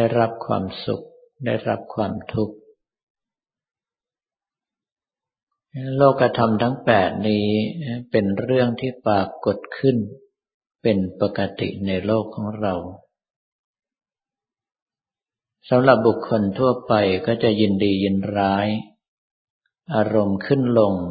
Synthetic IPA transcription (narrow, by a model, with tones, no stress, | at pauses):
a˥˩jɾa˦˥p̚kʰwa̰ː˧msṵ˨˩k̚ | da˥˩jɾa˦˥p̚kʰwaː˧mt̪ʰu˦˥k̚ | loː˥˩kːɾa˧t̪ʰa˧mt̪ʰa˦˥ŋpɛː˨˩t̪̚niː˦˥pe˧nɾɯ˥˩əŋt̪ʰiː˥˩paː˨˩kːo˨˩t̪̚kʰɯ˥˩n | pe˧npa˨˩kːa˧t̪ḭ˨˩ʔna˧jloː˥˩kʰːɔː˩˦ŋɾa˧w | sa˨˦mɾa˨˩p̚bu˨˩kʰːo˧nt̪ʰu˥˩ɐpa˧jkɔː˥˩t͡ɕa˨˩ji˧ndiː˧ji˧nɾaː˦˥j | ʔaː˧ɾo˧mkʰɯ˥˩nlo˧ŋ